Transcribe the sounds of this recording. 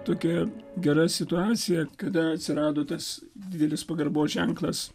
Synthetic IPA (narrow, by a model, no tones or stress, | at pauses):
t̪oːkʲɛɡʲɛɾɐsʲɪt̪ʊɑːt̪sʲɪjɛkɐd̪ɐɐt̪ʲsʲɪɾɑːd̪oːt̪ɐsd̪ʲɪd̪ʲɛlʲɪspɐɡɐrboːsʒʲɛŋklˠɐs